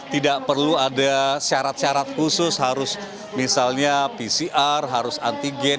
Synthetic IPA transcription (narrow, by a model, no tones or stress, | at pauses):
t̪idaʔpərluadasaɾat̪̚saɾat̪̚kusʊsɦaɾʊs | misalɲapisiʔarɦaɾʊsant̪iɡɛn